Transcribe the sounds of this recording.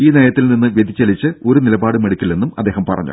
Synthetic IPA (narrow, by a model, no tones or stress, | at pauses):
iːneːjɐt̪ːilninːɨʋjed̪ʱit͡ɕːɐlit͡ɕːɨo̞ɾunilɐbaːɽɨmɐɽikʲːilːe̞nːumɐd̪ːe̞ːɦɐmpɐ̰rɐ̰ɲːṵ